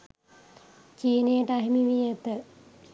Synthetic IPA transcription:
t͡ʃiːnejəʈaɦimiʋijət̪ə

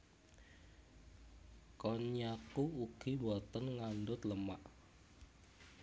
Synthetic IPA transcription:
kɔɲakuuɡ̥iwɔt̪ənŋandʊt̪ləmaʔ

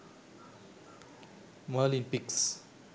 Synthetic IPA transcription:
malĩnpiks

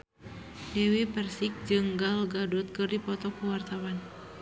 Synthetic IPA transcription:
dɛwepərsik̚d͡ʒɨŋɡalɡadɔt̪̚kɨrdipɔt̪ɔkuwart̪awan

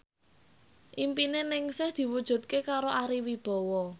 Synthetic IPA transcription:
ʔimpinenɪŋsɪhd̪̥i̤wud̥ʒ̥ṳt̪̚kekaɾoʔaɾiwib̥ɔ̤wɔ

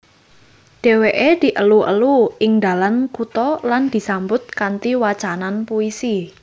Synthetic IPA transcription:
ɖ̪̥e̤weʔed̪̥i̤ʔəluʔə̰luɪŋd̪a̤lankut̪ɔland̪̥i̤sambʊt̪̚kant̪iwat͡ʃananpuisi

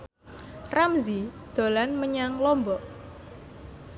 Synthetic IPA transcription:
ramzid̪̥o̤lanməɲaŋlɔmbɔʔ

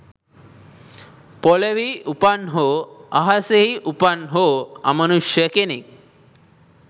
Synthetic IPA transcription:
pɔleʋiupanɦoaɦaseɦiʔupanɦoa̰məñuʃəkenik̚

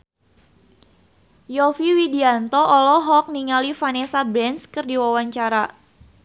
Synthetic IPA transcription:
jɔfiwidiant̪ɔʔɔlɔɦɔk̚niŋalifanesabɾɛnskərdiwawaɲt͡ʃaɾa

